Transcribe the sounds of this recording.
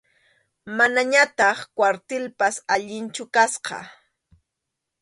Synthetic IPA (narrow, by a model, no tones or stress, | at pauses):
manaɲat̪ɑχkwaɾt̪ɪlpasaʎɪnt͡ʃʊkasqɑ̰